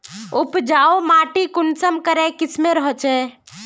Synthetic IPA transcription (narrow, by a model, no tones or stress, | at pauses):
upd͡ʒaomaʈikunsəmkəɾɛkismeɾəɦət͡ʃɛ